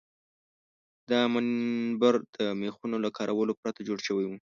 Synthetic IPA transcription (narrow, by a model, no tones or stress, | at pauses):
d̪ɑmanbaɾd̪̥əmexunolakʰɑɾʔawəlopɾat̪ad͡ʒoɽʃəwajwu